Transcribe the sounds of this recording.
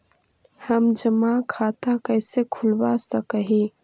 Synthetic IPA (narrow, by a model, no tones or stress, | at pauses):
həmd͡ʒəmakʰaːt̪akəɪsekʰʊlbasəkəɦi